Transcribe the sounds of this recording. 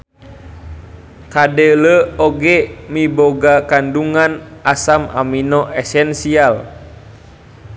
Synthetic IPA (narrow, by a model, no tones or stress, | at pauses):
kadeləoɡɛmiboɡakanduŋanasama̰minɔʔɛsɛnsial